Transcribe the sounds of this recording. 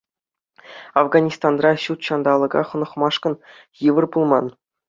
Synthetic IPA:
ɑvɡɑnʲist̪ɑnrɑɕut̪ɕɑnd̪ɑlˠɤ̆ɡɑ̰χɤ̆nɤ̆χmɑʂkɤ̆n | jɯʋɤ̆rbulˠmɑn

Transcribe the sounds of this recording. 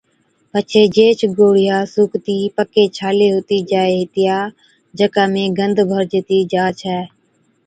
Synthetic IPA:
pət͡ʃʰeːd͡ʒeːt͡ʃʰɡoːɽɪjaːsuːkt̪iːpəkeːt͡ʃʰaːleːɦoːt̪iːd͡ʒaːeːɦɪt̪ɪjaː | d͡ʒəkaːmẽːɡənd̪ʱbʱəɾd͡ʒɪt̪iːd͡ʒaːt͡ʃʰɛː

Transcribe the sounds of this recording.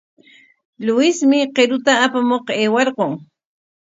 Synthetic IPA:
lʊɪsmɪqeɾʊt̪aːpamoqeːwɑɾqoŋ

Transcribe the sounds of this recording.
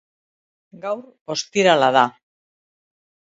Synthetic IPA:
ɡawɾ | o̞st̪iɾalaða

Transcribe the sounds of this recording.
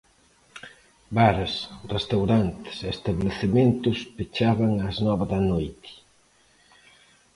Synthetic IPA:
baɾsrest̪awɾant̪ɪ̥sest̪aβleθemẽnt̪ʊspet͡ʃaβaŋaznɔβɐðɐnojt̪ɪ̥

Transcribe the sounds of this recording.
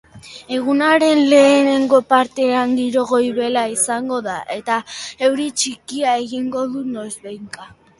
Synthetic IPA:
e̞ɣ̞unaɾe̞nle̞ːne̞ŋɡo̞paɾt̪e̞aŋɡiɾo̞ɣ̞o̞jβe̞laisaŋɡo̞ðaʔe̞t̪ae̞wɾit͡ʃikiae̞ɣiŋɡo̞ðuno̞zbejŋka

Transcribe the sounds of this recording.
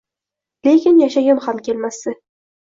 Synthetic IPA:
lekʲɪnjaʃaɡamhamkʲelmasɪ

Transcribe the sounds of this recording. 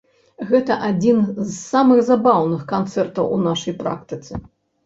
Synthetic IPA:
ɣɛt̪ɐʔad͡zʲinzsamɨɣzabawnɨxkant̪sɛrt̪ɐwunaʂɐjpɾa̰kt̪ɨt̪sɨ

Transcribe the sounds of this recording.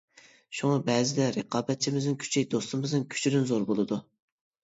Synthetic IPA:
ʃuŋɑbɛzɪd̪ɛɾeqʰɑːbɛt̪̚t͡ʃʰimɪznɪnkʲʰy̥t͡ʃʰɛjd̪ost̪ɨmɪznɪnkʲʰy̥t͡ʃʰyɾynzoɾbolˠɨd̪u

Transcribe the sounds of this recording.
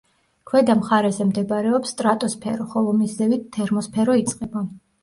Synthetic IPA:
kʰwɛd̪amχaɾɛzɛmd̪ɛbɾɛɔpst̪ʼɾat̪ʼɔspʰɛ̰ɾɔχɔlˠɔmizlɛvit̪t̪ʰːɛɾmɔspʰɛɾɔit̪sʼqʼɛba

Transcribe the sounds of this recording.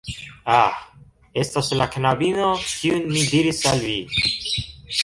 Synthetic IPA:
ah | est̪oslakʰnabinokiunmid̪iɾisalvi

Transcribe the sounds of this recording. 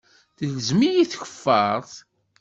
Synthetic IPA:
θəlzmijiθçə̥fːɑɾˤθ

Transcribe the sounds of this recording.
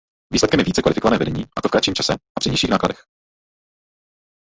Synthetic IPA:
viːslɛt̪kɛmjɛviːt͡sɛkvalɪfɪkovanɛːvɛdɛɲiːʔat̪ofkɾat͡ʃiːmt͡ʃasɛʔapr̥ɪɲɛjʃiːxnaːkladɛx

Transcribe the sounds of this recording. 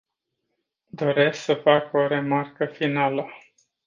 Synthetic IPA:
d̪o̞ɾe̞sksəfako̞ɾe̞markəfinalə

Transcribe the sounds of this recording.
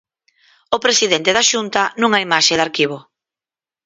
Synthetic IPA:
ʊpɾesiðent̪eðaʃunt̪ɐnũŋaimaʃeðaɾkiβ̞o

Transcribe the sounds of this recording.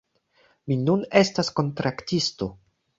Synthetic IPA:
minune̞stasko̞ntɾaktisto̞

